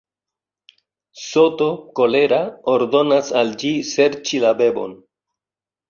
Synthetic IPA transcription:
so̞to̞ko̞le̞ɾaoɾdo̞nasald͡ʒise̞ɾt͡ʃilabe̞bo̞̰n

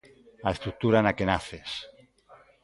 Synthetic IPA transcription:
aest̪ɾuk̚t̪uɾanakenaθes

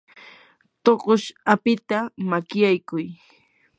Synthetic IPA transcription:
t̪oqoʃapɪt̪amakɪjajkʊj

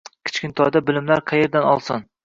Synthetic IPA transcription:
kʲʰɪ̥t͡ʃkʲɪnt̪ʰɒjd̪abɪlɪmlaɾqʰɑje̞ɾd̪anɒlˠsɪn

